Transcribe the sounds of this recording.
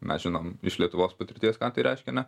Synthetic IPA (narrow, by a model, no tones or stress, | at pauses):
mʲɛ̰sʒʲɪnoːmɪʃlʲiɛt̪ʊʋoːspɐt̪ʲɪɾʲt̪ʲiɛskɑːt̪ɐɪɾʲɛɪʃʲkʲɛnʲɛ